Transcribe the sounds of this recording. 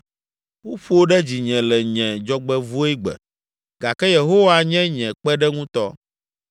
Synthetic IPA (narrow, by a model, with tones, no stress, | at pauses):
wo˦ɸo˦o˦ɖɛ˦d͡ʑi˨ɲɛ̃˨lɛ˨ɲɛ̃˨d͡ʒɔ˦ɡ͡bɛ˦vu˦e˦ɡ͡bɛ̰˨ | ɡa˨kɛ˦je˨ɦo˦wa˦ɲɛ̃˦ɲɛ̃˨k͡pɛ˦ɖɛ˦ŋũ˦t̪ɔ˦